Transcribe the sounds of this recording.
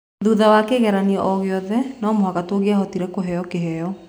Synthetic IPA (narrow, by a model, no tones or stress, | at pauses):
ðuðawakeːɣɛɾaniɔʔɔɣeɔðɛnɔmoɦaɣatoːɣeaɦɔtiɾɛkoɦɛjɔkeɦɛjɔ